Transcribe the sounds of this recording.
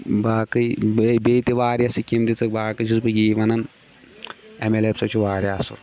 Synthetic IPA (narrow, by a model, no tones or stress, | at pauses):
baːkɨjbbeːt̪iʋaːɾjasikʲimd̪it͡sɨbaːkɨt͡ʃʰisupɐɡiːʋɐnɐn | emelepsɐt͡ʃʰuʋaːɾjaːsṵ